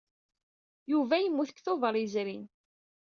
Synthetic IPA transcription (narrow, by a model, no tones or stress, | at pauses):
juvæjəmːuθə̥kθovəɾˤizɾin